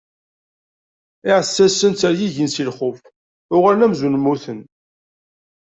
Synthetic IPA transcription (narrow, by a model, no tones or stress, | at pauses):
ɪʕəsːæsːənt͡s̪æɾjiʝinsilχʊf | ʊʁaɾnæmzunmːuθən